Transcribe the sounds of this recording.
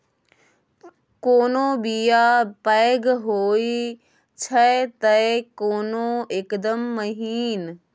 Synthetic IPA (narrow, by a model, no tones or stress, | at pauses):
koːnoːbijaːpɐjɡɦoːi | t͡ʃʰɐt̪ɐekoːnoekd̪əmːəɦiːn